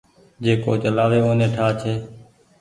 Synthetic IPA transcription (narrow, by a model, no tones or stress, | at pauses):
d͡ʒeːko̰ːt͡ʃəlaːʋeːõːnẽːʈʰaːt͡ʃʰeː